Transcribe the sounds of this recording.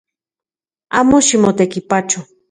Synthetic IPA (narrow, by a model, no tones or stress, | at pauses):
amʊʃɪmʊt̪akɪpat͡ʃʊ